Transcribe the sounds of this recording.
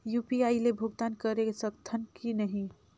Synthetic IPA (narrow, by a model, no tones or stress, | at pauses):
jupiailebʱʊɡ̚t̪ankəɾekesəkt̪ʰːənkinəɦĩ